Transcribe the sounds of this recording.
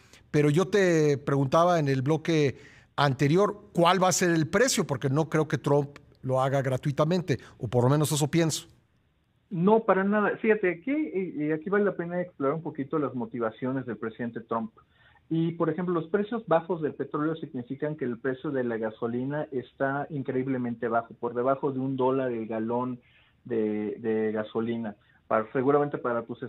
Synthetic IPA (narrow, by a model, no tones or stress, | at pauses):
pe̞ɾo̞ʝo̞t̪e̞pɾe̞ɣunt̪aβaene̞lblo̞ke̞ | ant̪e̞ɾjo̞ɾkwalβaːse̞ɾe̞lpɾe̞sjo̞po̞ɾke̞no̞kɾe̞o̞ke̞t̪ɾomp | lo̞aɣaɣɾat̪wit̪amẽnt̪e̞opo̞ɾlo̞mẽ̞no̞s̬e̞s̬o̞pje̞nso̥ | no̞paɾanaðafixat̪eakiakiβalelape̞naeksploɾaɾumpo̞kit̪o̞lazmo̞t̪iβasjo̞ne̞zðe̞lpɾe̞siðe̞nt̪et̪ɾomp | ipo̞ɾexe̞mp̬lo̞lospɾe̞sjo̞zβaxo̞zðe̞lpe̞t̪ɾo̞leo̞siɣnifikaŋke̞ːlpɾe̞sjo̞ðe̞laɣaso̞linaʔe̞st̪aiŋkɾe̞iβle̞mẽ̞nt̪e̞βaxo̞po̞ɾðe̞βaxo̞ðeund̪o̞laɾelɣalo̞n | d̪eðe̞ɣaso̞lina | pase̞ɣuɾament̪e̞paɾat̪use